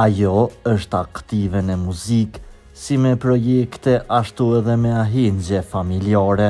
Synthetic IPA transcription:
ajɔəʃt̪akt̪ivɛnɛmuzik | simɛpɾɔjɛkt̪ɛʔaʃt̪uɛðɛmɛaɦiɲd͡ʑɛfamiliaɾɛ

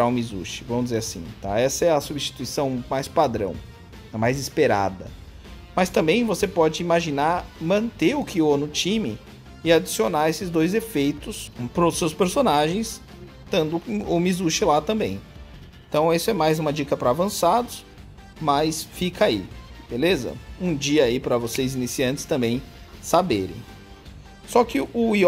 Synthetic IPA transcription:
ɾaʊ̃mizṵʃɪ̥vɐ̃mʊzd͡ʒɪzeɾasḭ̃t̪a̰ɛsɐɛɐsubist͡ʃi̥t̪uisɐ̃w̃majspad̪ɾɐ̰̃w̃ | ɛmajzispeɾa̰d̪ɐ̰ | mɐst̪ɐ̃mbẽj̃vosepɔd͡ʒɪimaʒinaɾmɐ̃nt̪eʊkʰɪonʊt͡ʃĩmɪ | ɪad͡ʒisionaesɪzd̪ojzefejt̪ʊspɾʊsewspeɾsonaʒẽj̃s | t̪ɐ̃nd̪ʊʊmizuʃɪlat̪ɐ̃mbẽj̃ | ẽt̪ɐ̃w̃isʊɛmajzũmɐd͡ʒikɐpɾɐavɐ̃sad̪ʊs | mɐsfikʰaḭb̥elezɐ̰ũd͡ʒiɐipɾɐvosejzinisiɐ̃t͡ʃɪ̥st̪ɐ̃mbẽj̃sabeɾḛ̃j̃ | sɔkɪʊi

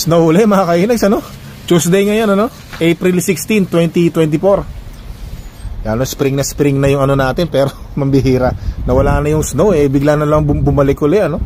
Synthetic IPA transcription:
snowʊlɛmɐkakɐʔiːnɐɡsɐno̞ | t͡ʃusd̪ejŋɐjonɐno̞ | ʔejpɾilsɪkst̪int̪wɛnt̪it̪wɛnt̪ɪfoɾ | ɡa̰nospɾɪŋnɐspɾɪŋnɐjʊŋɐno̞naːt̪ɪnpɛːɾo̞ | mɐmbɪɦiːɾɐnɐwɐlaːnɐjʊŋsnowɛbɪɡlaŋnɐlamɐŋbʊbʊmɐlɛkʊlɛɐno̞

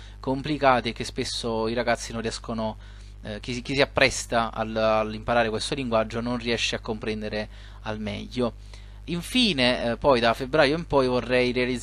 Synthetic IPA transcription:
komplikaːt̪iek̟ːespesːoiɾaɡat̪sːinonrːiɛskono | k̟isk̟isiapːɾɛst̪aa̰limpaɾaːɾekwest̪oliŋɡwad͡ʒːononriɛʃːeakːompɾɛnd̪eɾe | almɛ̰ʎːo | iɱfiːnepɔjd̪afebɾaːjoimpɔjvorːɛjɾealid̪

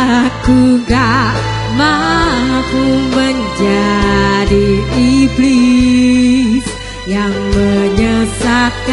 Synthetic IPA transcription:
kuɡaʔ | ma | kuməɲd͡ʒadiibli | s | jaŋməɲəsak

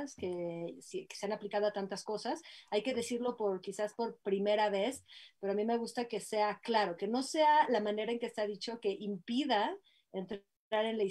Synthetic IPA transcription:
ske̞sike̥se̞anaplikað̞o̞at̪ant̪asko̞sasajke̞ðe̞siɾlo̞po̞ɾkisaspo̞ɾpɾime̞ɾaβ̞e̞speɾo̞amĩme̞ɣust̪ake̞se̞aklaɾo̞ke̞no̞se̞alamãne̞ɾae̞ŋkest̪aðit͡ʃo̞ke̞ʔimpiða | ent̪ɾ | aɾe̞nla

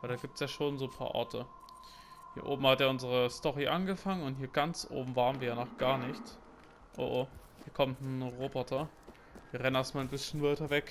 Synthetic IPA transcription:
valdaːɡiːp̚tsjaːʃoːnzoːnpʰa̰ːɐʔɔ̰ɐtʰə | hiːɐʔo̰ːbm̩hatjaːʔʊnzəʁəstɔʁiʔanɡəfaŋənʊntɦiːɐɡant͡sʔo̰ːbm̩vaːʁənviːɐjaːnɔχɡ̥aːɐnɪçt | ʔo̰ʔo | hiːɐkʰɔmtnʁoːbɔtʰɐ | v̥iːɐʁɛnnasmaːlnbɪsçənvaɪtɐvɛk

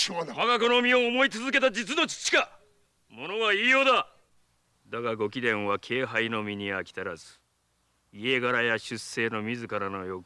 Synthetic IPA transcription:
haɡako̞no̞mʲio̞ːmo̞it͡sɨzɨke̞t̪ad͡ʑit͡sɨno̞t͡ɕi̥t͡ɕːi̥ka | mo̞no̞ɡaiːjo̞ːd̪a | d̪aɡaɡo̞kʲid̪ẽ̞ɰ̃βakʰe̞ːɦaino̞mʲiɲ̟iakʲi̥t̪aɾazɨ̥ | ie̞ɡaɾajaɕɨsːe̞ːno̞mʲizɨkaɾano̞jo̞k

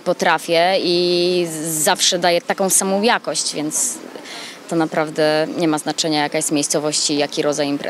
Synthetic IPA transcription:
pɔt̪ɾafʲjɛi | zafʂɛd̪ajɛt̪akɔ̃w̃samɔ̃w̃jakɔɕt͡ɕvʲjɛnt̪s | t̪ɔnapɾavd̪ɛɲɛmaznat͡ʂɛɲajakajɛst̪mʲjejst̪sɔvɔɕt͡ɕijakʲiɾʔɔd̪zajimpɾɛ̰

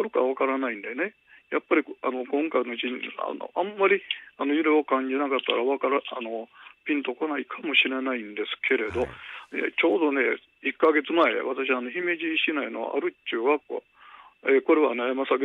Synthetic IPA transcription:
ɾɯkaβ̞akaɾanaĩnd̪e̞ne̞ | japːaɾʲia̰no̞kõ̞ŋkaino̞d͡ʑiɲa̰no̰ʔamːaɾʲiano̞jɯɾeokãɲ̟d͡ʑinakat̪ːaɾaβakaɾaano̞pʲĩnt̪o̞ko̞naikʰamo̞ɕiɾe̞naĩnd̪e̞sɨ̥kʰe̞ɾe̞d̪o̞nḛt͡ɕo̞ːd̪o̞ne̞ | ikːaɡe̞t͡sɨmae̞̰βat̪aɕ̬iaːnoçime̞ʑiɕinaino̞̰βa̰ʔa̰ɾɯ̟t͡ɕːɨːβakɯa̰ | eko̞ɾe̞βa̰nemasaɡ

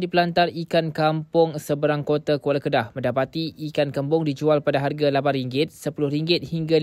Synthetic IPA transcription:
dipəlant̪arikankampʊŋsəbəɾaŋkot̪akwolakədahmə̃ndapat̪iikankəmbʊŋdid͡ʒualpadaɦarɡalabariŋɡɪt̪̚səpulʊhriŋɡɪt̪̚hiŋɡa

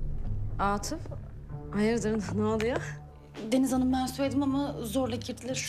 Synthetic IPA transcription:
aːt̪ʰɯf | ajɯɾd̪ɯɾɯnnad̪ɯja | d̪e̞nizanɯmɛnsufed̪imamazoɾlˠacʰiɾd̪ʰilʲiɾ

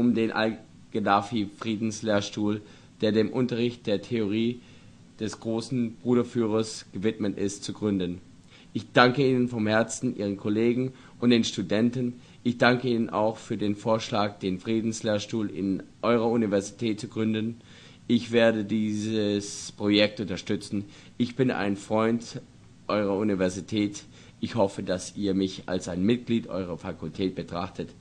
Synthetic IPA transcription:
ʔʊmdeːnʔa̰l | ɡ̥edafifʁ̥iːdn̩sleːɐʃtuːl | d̥eːɐdeːmʔʊntɐʁ̞ɪçt̚d̥eːɐtʰeoʁ̞iː | d̥ɛsɡ̥ʁoːsn̩bʁuːɾɐfyːʁɐsɡ̥əvɪtmətɪstt͡suɡʁʏndən | ʔɪçd̥aŋkəiːnənfɔmhɛɐt͡sn̩ʔḭːʁ̞ənkʰɔleːɡŋ̩ | ʔʊntd̥eːnʃtudɛntn | ʔɪçd̥aŋkəiːnənʔa̰ʊxfyːɐdeːnfoːɐʃlaːk̚d̥eːnfʁ̥iːdn̩sleːɐʃtuːlɪ̰nʔɔʏʁɐunivɛɐzitʰɛːtt͡suɡ̥ʁʏndən | ʔɪçv̥eːɐdədiːzəspʁ̥ojɛk̚tʔʊntɐʃtʏt͡sn̩ | ʔɪçb̥ɪnʔa̰ɪnfʁ̥ɔʏnt | ʔɔʏʁɐunivɛɐzitʰɛːt | ʔɪçhɔfədasiːɐmɪça̰lsaɪnmɪt̚ɡ̥liːtʔɔ̰ʏʁ̞ɐfakʰʊltʰɛːt̚b̥ətʁ̥aχtʰət

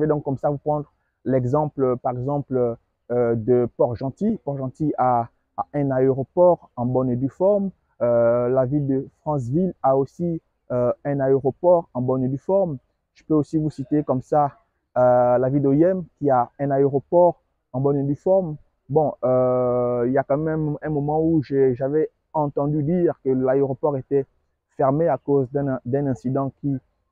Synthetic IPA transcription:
əved̪ɔ̃kkɔmsavupχɑ̃d̪ʁ | lɛɡzɑ̃plpaʁɛɡzɑ̃pl | d̪əpɔʁʒɑ̃t̪ipɔʁʒɑ̃t̪ia | ɛ̃naeʁopɔʁɑ̃bɔned̪ifɔʁm | lavild̪əfχɑ̃s̬vilaosi | øɛ̃naeʁopɔʁɑ̃bɔnyd̪ifɔʁm | ʒ̥əpøosivusit̪ekɔmsa | lavild̪ojɛmkʲiaɛ̃naeʁopɔʁ | ɑ̃bɔnyd̪ifɔʁm | bɔ̃øiljakɑ̃mɛmɛ̃mɛ̃mɔmɑ̃uʒɛʒavɛ | ɑ̃t̪ɑ̃d̪yd̪iʁkəlaeʁopɔʁet̪ɛ | fɛʁmeakozd̪ɛ̃d̪ɛ̃nɛ̃sid̪ɑ̃kʲi

